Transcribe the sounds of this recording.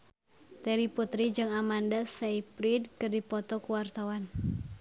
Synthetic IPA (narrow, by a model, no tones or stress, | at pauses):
t̪ɛɾiput̪ɾid͡ʒɨŋamandasaipɾid̚kɨrdipɔt̪ɔkuwart̪awan